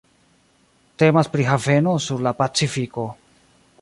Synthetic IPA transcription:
te̞maspɾiɦave̞no̞suɾlapat͡sifiko̞

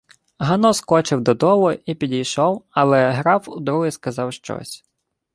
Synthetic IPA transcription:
ɦɐnɔskɔt͡ʃɪwd̪ɔd̪ɔʋʊipʲidʲijʃɔwɐlˠɛɦɾɑwud̪ɾuɦɪskɐzɑwʃt͡ʃɔ̰sʲ

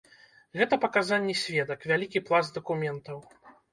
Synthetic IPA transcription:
ɣɛt̪ɐpɐkazanʲːɛsʲvʲɛd̪ɐkvʲalʲikʲiplˠazd̪ɐkumʲɛnt̪ɐw

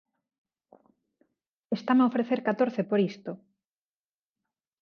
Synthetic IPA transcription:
est̪amaofɾeθeɾkat̪oɾθepoɾist̪o

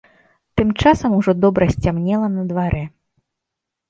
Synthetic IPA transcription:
t̪ɨmt͡ʂasɐmuʐɔd̪ɔbɾɐsʲt͡sʲamnʲɛlˠɐnɐd̪vaɾʔɛ

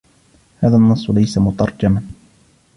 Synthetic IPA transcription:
haːðanːɑsˤːlajsamʊt̪ɑɾˤd͡ʒaman

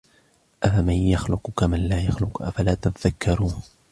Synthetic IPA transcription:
ʔafamanjaxlʊqʊkamanlaːjaxlʊqʔa̰falaːt̪at̪aðakːɑɾˤuː

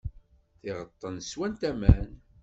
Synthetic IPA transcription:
θɪʁət̪ˤːənswænt̪æmæn

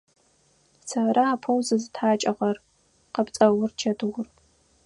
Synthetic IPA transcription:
saɾɐaːpʰɐwzɨzɨtʰħaːt͡ʃʼɐʁɐr | qɐpt͡sʼɐwʊrt͡ʃʰɐdʰɨʁʷʊr

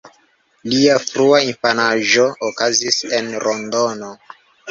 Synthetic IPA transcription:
liafɾuainfanaʒo̞ːkazisenɾondo̞no

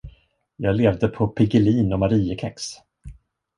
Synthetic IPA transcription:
jɑːɡleːvd̪əpʰɔpʰɪɡɪliːnɔmaɾiːəkʰɛks

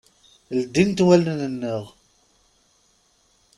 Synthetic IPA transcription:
ld̪ːint̪wælnnənːəʁ

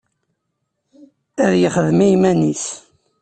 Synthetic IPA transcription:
æðjəχəðmijmænis

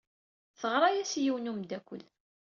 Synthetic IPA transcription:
θəʁɾˤɑjæsjiwnumd̪ækʷːəl

